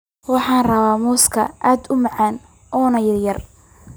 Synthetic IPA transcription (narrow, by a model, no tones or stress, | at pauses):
wɑħɑːnrɐβaːmɔːskʰɐ̰ʔaːd̪ʊmɑʕɑːn | ʔɔːnɐjɐrjɐr